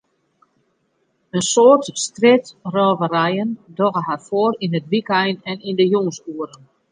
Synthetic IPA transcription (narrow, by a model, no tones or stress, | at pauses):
ənsoːərtstrɪtrɔːvəɾɛjəndoɣəɦarfoəɾinɦətʋikɛjnɛnindəjoŋsuəɾən